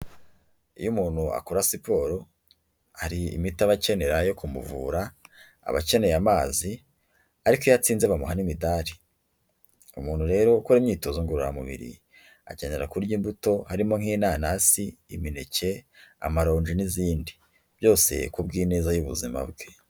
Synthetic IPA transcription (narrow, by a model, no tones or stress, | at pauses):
ṵjumuːn̥hua̰kuɾasipo̞ːɾo̞ | haɾiḭmitaβace̞ne̞ɾajo̞kumṵvṵːɾa̰ː | βace̞ne̞jamaːzi | aɾikojat͡siːnzeβamuɦanimidaːɾi | umuːn̥huɾe̞ːɾo̞kuɾemɲiːto̞zuŋɡuɾuɾa̰mṵβḭɾḭ | a̰ce̞ne̞ɾakuɾɟiːmbuto̞haɾimo̞ŋhiːnaːnasiːmine̞ce̞a̰maɾo̞ːɲd͡ʒiniziːndi | b̥jo̞ːse̞̰kub̚ɡiːne̞ːzajuβuzima̰bɡe